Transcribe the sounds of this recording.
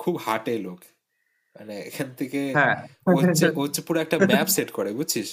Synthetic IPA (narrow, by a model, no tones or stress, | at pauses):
kʰubhaʈelok | ma̰neḛkʰant̪ʰekeɦɛ̃oot͡ɕːepuɾoɛk̚ʈamɛpseʈkɔɾebud͡ʑt͡ɕʰiʃ